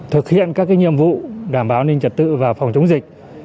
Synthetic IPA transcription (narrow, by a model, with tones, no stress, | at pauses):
t̪ʰɨ˨˩k̚hḭ˧˨ənkaː˦˥k̚aː˨˦jɲḭ˧˨əmvṵ˧˨ɗaː˧˩mɓaː˨˦wne˧nt͡ɕə˨˩t̚t̪ɨ̰˧˨vaː˨˩fɔ˨˩wŋ͡mt͡ɕʊ˨˦ŋ͡mzï˨˩k̟̚